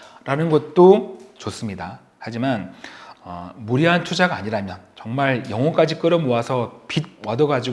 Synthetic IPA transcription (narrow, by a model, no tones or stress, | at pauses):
ɾanɯnɡʌt̚t͈ot͡ɕos͈ɯmɲida | had͡ʑimanʌmuɾiɦantʰud͡ʑaɡaːɲiɾamjʌnt͡ɕʌŋmaɾjʌŋʌk͈ad͡ʑik͈ɯɾʌmoasʰʌpid̚wadʌɡad͡ʑi